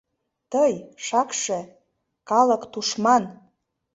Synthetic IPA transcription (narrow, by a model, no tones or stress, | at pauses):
t̪əjʃɑkʃĕ | kɑlə̆kt̪uʃmɑn